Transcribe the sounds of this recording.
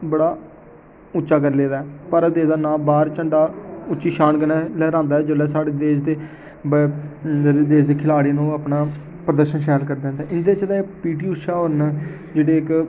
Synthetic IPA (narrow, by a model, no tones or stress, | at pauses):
bəɽaː | ʊtːt͡ʃʃaːkəɾleːd̪aːɛːpəɾət̪eːd̪aːnãːbaːɾt͡ʃəɳɖaːʊtːt͡ʃʃiːʃaːnkənɛːlɛːɾãːnd̪aːɛːd͡ʒəlɛːsaːɽeːd̪eːʃd̪eː | b | d̪eːʃd̪eːkʰɪlaːɽeːnũːəpnaː | pɾəd̪əɾʃənʃɛːlkəɾd̪ɛ̃nd̪aɛːʔɪnd̪eːt͡ʃd̪aːepiːʈiːʊʃaːɦoɾn | d͡ʒeːɽeːɪk